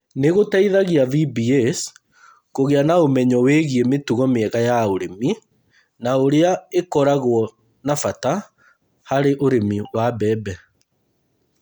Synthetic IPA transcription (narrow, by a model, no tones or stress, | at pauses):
neɣotaiðaɣiavibiɛs | koɣeanaomɛɲɔweɣiemetuɣɔmeɛɣajaoɾemi | naoɾeaekɔɾaɣwɔ | nafata | haɾeʔoɾemiwabɛːbɛ